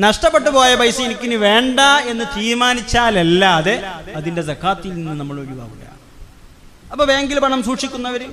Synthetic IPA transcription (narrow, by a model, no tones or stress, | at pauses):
nɐʂʈɐpːe̞ʈːɨpo̞ːjɐpɐjsɐinikʲːinɨʋe̞ːɳɖɐe̞nːɨt̪iːɾmaːnit͡ɕːaːlelːaðeɐðinde̞sɐkʰːaːt̪ːilninːɨnɐmːɐɭo̞ɾuʋa̰ːʋuɽɐ̰ja̰ː | ɐpːoːʋeːŋɡilpɐɳɐmsuːʈʂikʲːunːɐʋɐɾu